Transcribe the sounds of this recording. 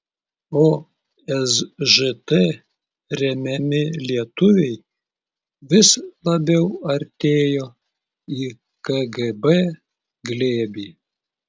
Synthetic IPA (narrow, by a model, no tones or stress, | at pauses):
oː | ɛsʒɨt̪ɛ | ɾʲɛmʲɛmʲɪlʲiɛt̪ʊʋʲɛɪj | ʋʲɪslˠɐbʲɛʊɐɾʲt̪ʲeːjoː | iː | kɐɡɛbɛ | ɡlʲeːbʲiː